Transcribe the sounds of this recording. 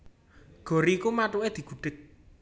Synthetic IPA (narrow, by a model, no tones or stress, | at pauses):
ɡ̥ɔ̤ɾikumaʈuʔed̪̥i̤ɡ̥ṳɖ̥ɪ̤t̪̚